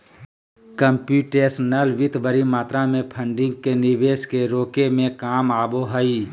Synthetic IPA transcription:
kəmpjuːʈeːsnəlʋɪt̪ʰʋəɾimaːt̪ɾamẽpʰə̃ɳɖɪ̃ŋɡ̚kenɪʋeːskeɾoːkemẽkaːmaːboɦəiː

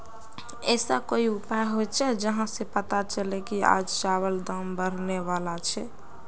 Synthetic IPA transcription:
ɛsakoiupaeɦojt͡ʃʰɛd͡ʒəɦãsepət̪at͡ʃəlekia̰d͡ʒt͡ʃaβəld̪əmbəɾneβalat͡ʃʰɛ

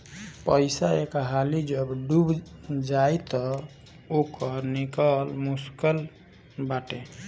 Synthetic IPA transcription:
pəjsaekɦalid͡ʒəbɖubd͡ʒajt̪ɔ | okəɾnikəlmuskəl | baʈe

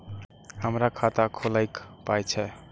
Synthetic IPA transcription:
həmɾakʰat̪akʰolajkpajt͡ʃʰɛ

